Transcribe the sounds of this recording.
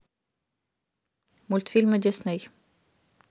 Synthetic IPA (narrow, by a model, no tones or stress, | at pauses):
mʊlt̪fɪlməd̪ɪsnɛɪ